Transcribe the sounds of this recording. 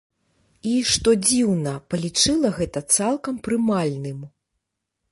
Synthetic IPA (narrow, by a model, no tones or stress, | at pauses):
iʂt̪ɔd͡zʲiwnɐpɐlʲit͡ʂɨlˠɐɣɛt̪ɐt̪salˠkɐmpɾɨmalʲnɨm